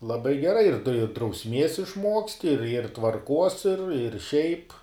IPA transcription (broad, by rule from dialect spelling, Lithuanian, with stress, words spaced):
lˠɐˈbɐɪ ɡʲɛˈrɐɪ ɪr drɐʊsʲˈmʲiɛs ɪʃˈmuɔksʲtʲɪ ɪr ɪr tʋɐrˈkuɔs ɪr ɪr ʃʲɛɪp